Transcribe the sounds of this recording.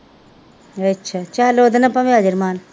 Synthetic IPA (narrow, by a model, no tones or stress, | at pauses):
ɐtːʃʰat͡ʃaːloːd̪ɐnɐpɐmaːd͡ʒɐɾmaːn